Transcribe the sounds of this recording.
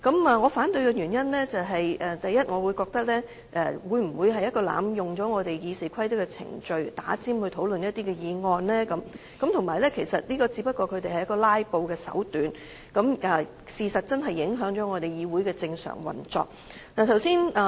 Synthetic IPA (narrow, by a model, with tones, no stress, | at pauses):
kɐ˨˥mɛː˨˩ŋɔː˨˧faː˨˥nt̪ɵ˧ɥkɛː˧jyː˨˩njɐ˥nlɛː˥t͡sɐ˨wɦɐ˨jʔɛː˨t̪ɐ˨jɐ˥t̚ŋɔː˨˧wuː˨˧jkɔː˧k̚t̪ɐ˥k̚lɛː˥ | ʔɛ̰˨wuː˨˧jm̩˨˩wuː˨˧jɦɐ˨jɐ˥t̚kɔː˧la̰ː˨˧mjʊ˨ŋt͡ʃɔː˨˥ŋɔː˨˧t̪e˨jjiː˨˧siː˨˩kʰɐ˥jt̪ɐ˥kɛː˧t͡sʰɪ̰˨˩ŋt͡ʃɵ˨˧ɥt̪aː˨˥t͡siː˥mhɵ˧ɥt̪ʰo˨˥wlɵ˨njɐ˥t̚t̪iː˥kɛː˧jiː˨˧ŋɔː˧nlɛː˥kɐ˨˦m | kɐ˧˥mt̪ʰʊ˨˩maː˨˩jlɛː˥kʰe˨˩jsɐ˨t̚liː˥kɔː˧t͡si˧˥pɐ˥t̚kːɔː˧kʰɵ˨˧ɥt̪e˨jhɐ˨jɐ˥kːɔː˧laː˥jpo˧wkɛː˧sɐ̰˨˥wt̪yː˨n | kɐ˨˥mɐː˨˩ | siː˨sɐ˨t̚t͡sɐ˥nɦɐ˨jːɪ˨˥ŋɦœː˨˥ŋt͡ʃɔː˨˥ŋɔː˨˧t̪e˨jjiː˨˧wuː˨˥jkɛː˧t͡sɪ˧ŋsœ̰ː˨˩ŋwɐ̰˨˩nt͡sɔ̰ː˨k̚naː˨˩t̪ʰɐ˨˩wsiː˥naː˨